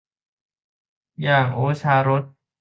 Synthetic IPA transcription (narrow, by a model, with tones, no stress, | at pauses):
jaː˨˩ŋʔoː˨˦sʰaː˧˥ɾo˦˥t̪̚